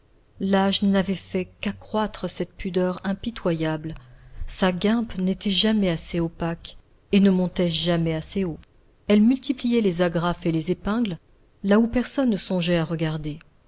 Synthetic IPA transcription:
laʒnavɛfɛkakχwat̪χəsɛt̪pyd̪œʁɛ̃pit̪wajablsaɡɛ̃pnet̪ɛʒamɛaseopak | enəmɔ̃t̪ɛʒamɛaseo | ɛlmylt̪iplijɛlezaɡʁafelezepɛ̃ɡl | laupɛʁsɔnːəsɔ̃ʒɛaʁəɡaʁd̪e

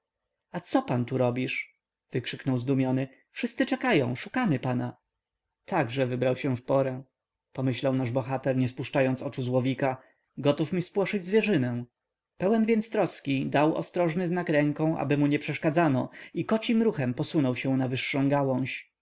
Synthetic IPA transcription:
at̪sɔpant̪uɾɔbʲiʂ | v̥ɘkʂɘknɔwzd̪umʲjɔnɘ | fʂɘst̪sɘt͡ʂɛkajɔ̃w̃ʂukamɘpana | t̪aɡʐɛvɘbɾawɕɛ̃fpɔɾɛ | pɔmɘɕlawnaʐbɔxat̪ɛɾɲɛspuʂt͡ʂajɔnt̪sɔt͡ʂuzwɔvʲika | ɡɔt̪ufmʲispwɔʂɘd͡ʑzvʲjɛʐɘnɛ̃w̃ | pɛwɛnvʲjɛnt̪st̪ɾɔskʲid̪awɔ̰st̪ɾɔʐnɘznakɾɛŋkɔ̃w̃ʔa̰bɘmuɲɛpʂɛʂkad̪zanɔikɔt͡ɕimɾuxɛmpɔsunɔwɕɛ̃w̃navɘʂːɔ̃w̃ɡawɔ̃ɕ

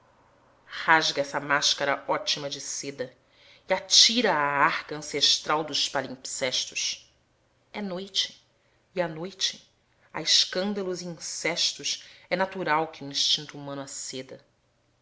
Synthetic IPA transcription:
haʒɡɐɛsɐmaʃkɐɾɐɔt͡ʃimɐd͡ʒɪsed̪ɐ | iat͡ʃiɾɐːaɾkɐɐ̃seʃt̪ɾawd̪ʊʃpalĩpsɛʃt̪ʊʃ | ɛnojt͡ʃɪ̥ː | anojt͡ʃɪ̥ | ɐ̰ɪʃkɐ̃nd̪ɐluziĩsɛʃt̪ʊsɛnat̪uɾawkɪuĩʃt͡ʃĩnt̪uːumɐ̃nʊased̪ɐ

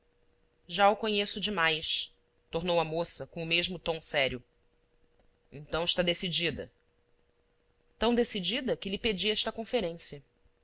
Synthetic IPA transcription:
ʒaʊkõɲesʊd͡ʒɪmajʃ | t̪oɾnowɐmosɐkõʊmeʒmʊt̪õw̃sɛɾiʊ | ẽnt̪ɐ̃w̃ɪʃt̪ad̪esid͡ʒid̪ɐ̰ | t̪ɐ̃w̃d̪esid͡ʒid̪ɐkɪlɪped͡ʒiɛʃt̪ɐkõfeɾẽsiɐ

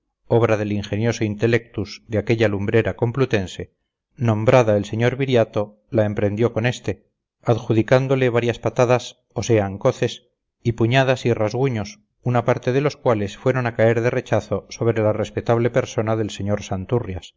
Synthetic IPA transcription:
o̞βɾaðe̞liŋxe̞njo̞soint̪e̞le̞k̚t̪uzd̪eakeʎalumbɾe̞ɾako̞mplut̪e̞nse̞ | nõ̞mbɾaðaelseɲo̞ɾβiɾjat̪o̞ | laempɾe̞nd̪jo̞ko̞ne̞st̪e̞ | aðxuðikand̪o̞le̞βaɾjaspat̪aðas | o̞se̞aŋko̞θe̞s | ipuɲað̞asirazɣuɲo̞s | unapaɾt̪e̞ðe̞lo̞skwale̞sfwe̞ɾo̞nakae̞ɾðe̞re̞t͡ʃaθo̞so̞βɾe̞lare̞spet̪aβle̞pe̞ɾso̞naðe̞lse̞ɲo̞ɾsant̪urjas

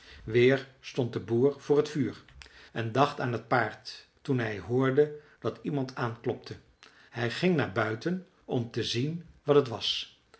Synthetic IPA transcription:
ʋɪːɹstɔnt̚dəbuːɹv̥ʊːɹətfyːɹʔɛndɑχtaːnɦət̚paːɹtː | unɦɛjɦʊːɹdə | d̥ɑtimɑntʰaːnklɔp̚tʰə | hɛjχɪŋnaːɹbœɥtən | ɔmtəzinʋɑtətʋɑs

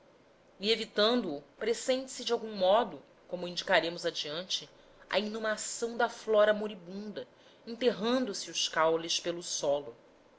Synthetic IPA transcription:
ievit̪ɐ̃nd̪ʊːpɾesẽnt͡ʃɪ̥sɪd͡ʒɪawɡũmɔd̪ʊ | kõmʊĩd͡ʒikaɾẽmʊzɐd͡ʒiɐ̃nt͡ʃɪ | ɐ̰inumasɐ̃w̃d̪ɐflɔɾɐmoɾibũnd̪ɐ | ẽnt̪eɦɐ̃nd̪ʊsiʊʃkawlɪʃpelʊsɔlʊ

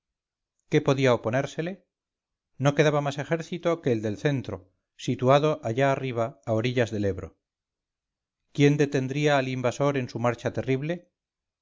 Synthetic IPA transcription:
ke̞po̞ðiaopo̞ne̞ɾse̞le̞ | noke̞ðaβamase̞xe̞ɾθit̪o̞ke̞ːld̪e̞lθe̞nt̪ɾo̞̰ | sit̪uaðo̞ʔaʝaːriβ̞aːoɾiʎazðe̞le̞βɾo̞̰ | kje̞nd̪e̞t̪e̞nd̪ɾiaːlimbaso̞ɾe̞nsumaɾt͡ʃat̪e̞riβle̞

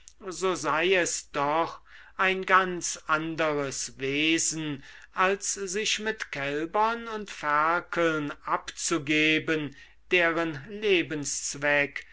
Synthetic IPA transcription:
zoːzaɪɛsd̥ɔχ | ʔaɪnɡant͡sʔandəʁəsveːzn̩ʔalszɪʃmɪtkʰɛlbɐnʊntfæɐkʰəlnʔapt͡suɡeːbən | d̥eːʁənleːbənst͡svɛk

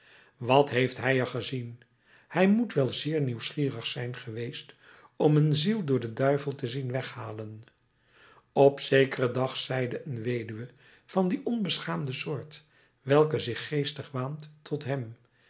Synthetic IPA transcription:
ʋɑtɦejftɦɛjəχəzin | hɛjmutʋɛlˠzɪːɹniwsχiːrəχsɛjnχəʋejst | ɔmənzilˠdʊːɹdədœɥvəlˠtəzinʋɛχhaːlən | ɔpsejkərədɑχsɛjdəʔənʋejdyʋə | v̥ɑndiʔɔnbəsχaːmdəsʊːɹt | ʋɛlˠkəzɪχːejstəχʋaːntʰɔtɦɛm

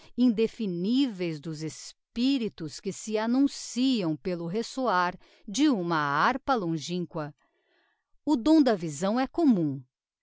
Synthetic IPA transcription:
ĩnd̪efinivejzd̪ʊzespiɾit̪ʊskɪsɪanũsiɐ̃w̃pelʊɦesoaɾ | d͡ʒɪũmɐaɾpɐlõʒĩkwɐ | ʊd̪õw̃d̪ɐvizɐ̃w̃ɛkomũ

